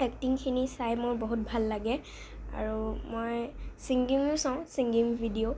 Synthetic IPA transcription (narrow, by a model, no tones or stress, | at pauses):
ɛk̚tiŋkʰinisajmʊɹbɔɦut̚bʱalːaɡɛ | a̰ɹumojsiŋɡiŋʊsãʊ̃siŋɡimbʱidio